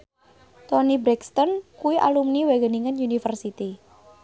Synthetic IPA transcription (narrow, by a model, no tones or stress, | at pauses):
t̪ɔnibɾɛkst̪ɔnkuwiʔa̰lumniweɡəniŋənjunifərsit̪i